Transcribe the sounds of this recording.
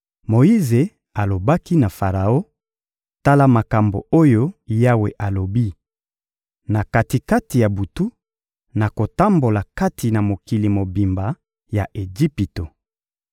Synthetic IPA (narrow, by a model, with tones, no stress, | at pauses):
mo˨i˦ze˨ | a˨lo˨ba˦ki˦na˨fa˨ʁa˨o˦ | ta˦la˦ma˨ka˨mbo̰˨o˦jo˦ja˦wḛ˨ʔa˨lo˨bi˦ | na˨ka˨ti˨ka˦ti˨ja˨bu˨tu˦ | na˨ko˨ta˦mbo˨la˨ka˦ti˨na˨mo˨ki˨li˨mo˨bi˨mba˨ | ja˨ʔe˨d͡ʒi˦pi˨to˨